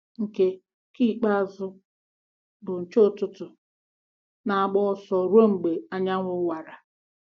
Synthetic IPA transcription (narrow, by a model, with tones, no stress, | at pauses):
ŋ̩˨ke˦ | ki˦˨k͡pa˦˨zʊ˦ | bʊ˨n̩˨t͡ʃo˦˨tʊ˦tʊ˨ | na˨a˨ɡ͡bɔ˦sɔ˨ɾo˦ŋ͡m̩˨ɡ͡be˨a˦ɲa˦ŋʷʊ˦wa˨ɾa˨